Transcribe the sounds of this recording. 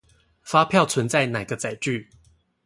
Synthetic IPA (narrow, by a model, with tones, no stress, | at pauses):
fa˦pʰjɑ˥˨ʊt͡sʰwə˨˦nt͡sa˥˨ɪna˨˩ɪɡə˧˦t͡sa˨˩ɪʈ͡ʂy˥˨